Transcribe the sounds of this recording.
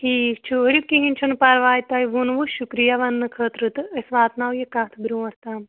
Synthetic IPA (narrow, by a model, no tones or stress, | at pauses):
hiːkt͡ʃʰuɦɾip̚kiɦinʲt͡ʃʰunpɐɾʋaːjt̪ɐjʋunʋuʃukɾijɐʋɐnːɨkʰəːt̪ɾɨt̪ɐsʋaːt̪naːʋjekat̪ʰbɾũːɐɾt̪aːm